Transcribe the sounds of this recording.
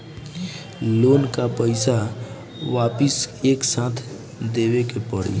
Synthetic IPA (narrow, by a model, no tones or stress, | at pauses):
lonkapəɪsa | ʋapiseksãt̪ʰ | d̪ebekepəɽḭ